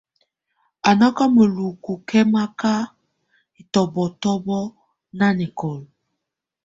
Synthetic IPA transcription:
a˨nɔ˦ka˦mə˨lu˨ku˨kʰɛ˦ma˦ka˦ | i˨tɔ˨bɔ˨tɔ˦bɔ˦ | na˦ni˨kɔ˨l

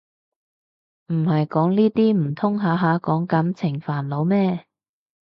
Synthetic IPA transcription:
m̩˨˩hɐ˨jkɔː˨˥ŋniː˥t̪iː˥m̩˨˩t̪ʰʊ˥ŋɦaː˨˧ɦaː˨˧kɔː˨˥ŋkɐ˨˥mt͡sʰɪ˨˩ŋfaː˨˩nlo˨˧wmɛː˥

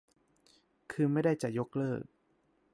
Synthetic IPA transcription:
kʰɯː˧ma˥˩jda˥˩jt͡ɕa˨˩jo˦˥k̚lɤː˥˩k̚

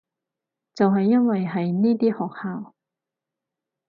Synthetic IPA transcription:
t͡sɐ˨wɦɐ˨jːɐ˥nwɐ˨jɦɐ˨jniː˥t̪iː˥hɔː˨k̚haː˨˥w

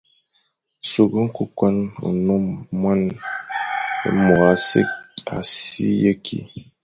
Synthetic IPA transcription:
so˨ɡə˦ŋ̩˦ku˨kwa˦nṵ˨nɔ˦mwa˦n | ḛ˨˦mɔ˨a˦sḛ˦a̰˨sḭ˦jə˦kʰḭ˨

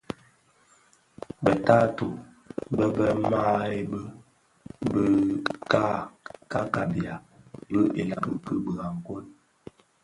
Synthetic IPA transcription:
bə˨ta˦to˨ | bə˦bə˦ma˦e˦bə˦ | bə˦ka˦ka˦ka˨bi˨a˨bə˦ʔe˨la˨bə̰˨kə˦bə˨ɣa˨ŋ˨ko˦n

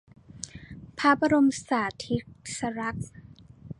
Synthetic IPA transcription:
pʰa˦˥pʰa˧ɾo˧msaː˨˩t̪ʰi˦˥k̚sa˧ɾa˦˥k̚

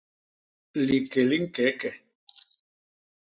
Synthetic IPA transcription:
li˨ke˨li˦ŋ̩˦kɛ˨˦kɛ˨

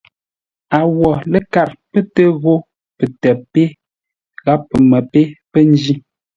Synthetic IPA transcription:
a˨wɔ˨lə˦ka˨ɾpə˦tə˦ɣo˦ | pə˨tɛ˨pe˦ | ɣa˦pːə˨mə˨pe˦pə˦n˦d͡ʒi˦

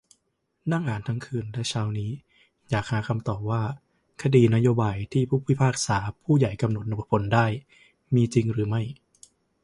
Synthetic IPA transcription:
na˥˩ŋʔaː˩˦nt̪ʰa˦˥ŋkʰɯː˧nlɛ˦˥t͡ɕʰaː˦˥wniː˦˥ | jaː˨˩k̚haː˩˦kʰa˧mt̪ɔː˨˩p̚waː˥˩ | kʰa˧diː˧na˦˥joː˧baː˧jt̪ʰiː˥˩pʰuː˥˩pʰːi˥˩pʰaː˥˩k̚saː˩˦pʰuː˥˩ja˨˩jka˧mno˨˩t̪̚no˨˩pʰo˨˩˦ndaː˥˩j | miː˧t͡ɕi˧ŋɾɯː˩˦ma˥˩j

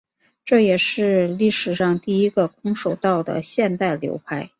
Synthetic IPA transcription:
ʈ͡ʂɤ˥˩jɛ˨˩ʂɻ̩˥˧li˥˩ʂɻ̩˨˩ʂɑ˥˧ŋt̪i˥˩i˥ɡə˧kʰʊ˥ŋʂo˨˩ʊt̪ɑ˥˩ʊd̪ə̰˩ɕjɛ˥˧nt̪a˥˩ɪljo̰˧˥ʊpʰa˥ɪ

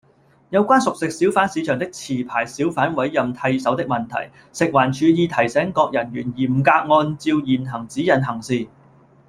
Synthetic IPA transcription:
jɐ˨˧wkʷaː˥nsʊ˨k̚sɪ˨k̚siː˨˥wfaː˨˥nsiː˨˧t͡ʃʰœː˨˩ŋt̪ɪ˥k̚t͡sʰiː˨˩pʰaː˨˩jsiː˨˥wfaː˨˥nwɐ˨˥jːɐ˨mt̪ʰɐ˧jsɐ˨˥wt̪ɪ˥k̚mɐ˨nt̪ʰɐ̰˨˩j | sɪ˨k̚waː˨˩nt͡ʃʰyː˨˧jiː˧t̪ʰɐ˨˩jsɛː˨˥ŋkɔː˧k̚jɐ˨˩nɥyː˨˩njiː˨˩m̩˨˩kaː˧k̚ŋɔː˧nt͡siː˧wjiː˨nɦɐ˨˩ŋt͡siː˨˥jɐ˨˩nɦɐ˨˩ŋsiː˨

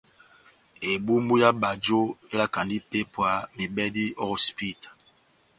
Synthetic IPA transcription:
e˨bu˦mbu˦ja˦ba˨d͡ʒo˦e˦la˦ka˨ndi˦pe˦pwa˦me˨bɛ˦di˦ɔ˦ɣɔ˨spi˦tḁ˨

